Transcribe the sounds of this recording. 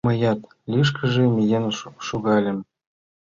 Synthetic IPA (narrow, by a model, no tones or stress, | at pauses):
mɤ̆jɑt̪ | lʲiʃ̬kə̆ʒĕmʲijenʃuɣɑlʲɘ̆m